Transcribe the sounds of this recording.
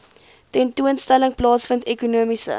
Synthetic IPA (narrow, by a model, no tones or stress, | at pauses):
tɛntuənstæləŋplɑːsfəntɛkunuəmisə̰